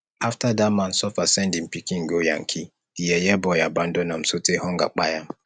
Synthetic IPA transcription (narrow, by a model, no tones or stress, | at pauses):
aftadaman̩sɔfasɛndim̩pikiŋ̩ɡoja̰ŋ̩kʰi | ijɛjɛbɔjaban̩dɔnam̩sotehɔŋɡa̰k͡pajam̩